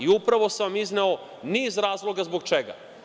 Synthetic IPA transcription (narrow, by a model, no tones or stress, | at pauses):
iupɾaʋo̞seʋamizneo̞ | niːzɾaːzlˠo̞ɡazbo̞ɡ̚t͡ʃeɡa̰